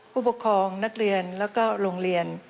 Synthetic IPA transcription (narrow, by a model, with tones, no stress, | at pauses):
pʰuː˥˩po˨˩kʰːɔː˧ŋna˦˥k̚ɾi˧ənlɛː˦˥wkɔː˥˩ɾo˧ŋɾi˧ən